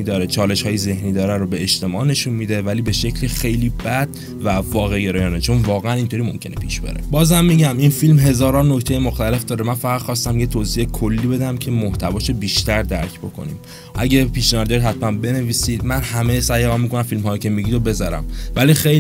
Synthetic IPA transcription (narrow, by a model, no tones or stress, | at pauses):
iːd̪ɒːɾet͡ʃʰɒːle̞ʃhɒːjeze̞hniːd̪ɒːɾænɾobeːʃt̪e̞mɒːʔne̞ʃunmiːd̪e̞væliːbe̞ʃe̞cʰlixe̞jliːbæd̪̥̚ | vævɒːɣeɡeɾɒːjɒːnet͡ʃʰo̞nvɒːɣeæniːnt̪ʰoɾiːmo̞mcʰe̞nepʰiːʃb̥eɾḛbɒːzhæmːiɟæminfilmɦe̞zɒːɾɒnnːoct̪ʰejemoxt̪æle̞fd̪ɒːɾemænfæɣæd̪̥xɒːst̪æmjet̪ʰoːziekʰolːiːbe̞d̪æmcʰe̞moht̪ʰævɒːʃobiːʃt̪æɾd̪æɾcʰbo̞̰kʰo̰nḭːm | ʔæɟepiːʃneɒɾd̪eɾiɦæt̪ʰmænbe̞ne̞viːsiːd̪̚mænhæmejsæjɣɒnmikonæmfilmhɒːjicʰe̞miɟid̪obe̞zɒɾæ̰mvælixej